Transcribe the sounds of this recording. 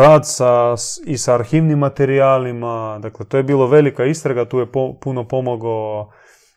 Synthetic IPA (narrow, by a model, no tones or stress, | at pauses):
ɾaːd̪saisaːɾxiːʋnimːat̪eɾiaːlimad̪aklet̪ojebiːlˠoʋe̞likaist̪ɾaɡat̪uːjepopunopo̞moɡo